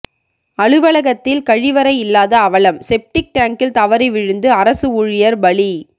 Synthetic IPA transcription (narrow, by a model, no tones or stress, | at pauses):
ɐɻɯʋɐɭɐɣɐt̪ːɪlkɐɻɪʋɐɾɐɪɪlːaːðɐːʋɐɭɐmsɛp̚ʈɪk̚ʈaːŋkɪlt̪ɐʋɐɾɐɪʋɪɻɯnd̪ɯɐɾɐsɯʊɻɪjɐɾbɐɭi